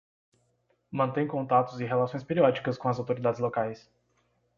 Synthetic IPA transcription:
mɐ̃nt̪ẽj̃kõnt̪at̪ʊzɪɦelasõj̃speɾiɔd͡ʒikɐskõɐzawt̪oɾid̪ad͡ʒɪzlokajs

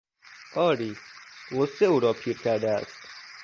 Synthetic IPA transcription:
ʔɒːɾiːʁoseuːɾɒːpʰiːɾkʲʰæɾd̪ææ̰st̪

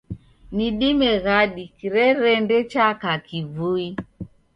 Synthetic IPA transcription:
niɗimɛɣaɗikiɾɛɾɛndɛt͡ʃakakivui

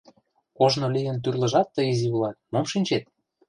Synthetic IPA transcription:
koʒnolijə̆nt̪yrlə̆ʒɑt̪ːəiziβlɑt̪̚momʃinʲt͡ɕet̪̚

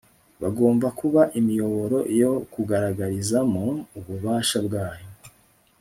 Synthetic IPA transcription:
βaɡo̞ːmvakuβaʔimijo̞βo̞ɾo̞ʔijo̞kuɡaɾaɡaɾizamuuβuβaːʃabɡaːjo̞

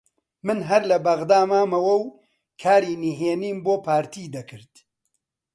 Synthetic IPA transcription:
mɨnɦɐɾlɐbɐɣd̪aːmaːmɐwɐw | kʰaːɾiːniɦeːniːmboːpʰaːɾt̪ʰiːd̪ɐkʰɨɾd̪̥

